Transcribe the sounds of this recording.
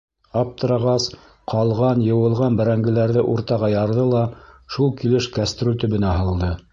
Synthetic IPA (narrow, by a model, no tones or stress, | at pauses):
ɑp̚t̪ɤ̆ɾɑʁɑs | qʰɑlˠʁɑnjɤ̆wɤ̆lˠʁɑnbɘ̆ɾæŋɡɘ̆læɾðɘʔuɾt̪ɑʁɑjɑɾðɤlˠɑʃulˠkilɘʃkæst̪ɾut̪ɵ̆βɘ̆næɦɤ̆lˠd̪ɤ